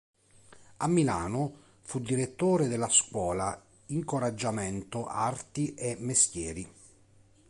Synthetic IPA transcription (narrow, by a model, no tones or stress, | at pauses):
amːilaːno | fud̪iɾet̪ːoːɾed̪elːaskwɔːla | iŋkoɾad͡ʒːamɛnt̪oʔart̪iʔemːest̪jɛːɾi